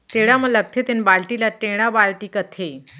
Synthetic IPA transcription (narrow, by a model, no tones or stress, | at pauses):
t̪eɽamələk̚t̪ʰet̪enbaɭʈilaʈ̪eɽ̃abaɭʈikət̪ʰe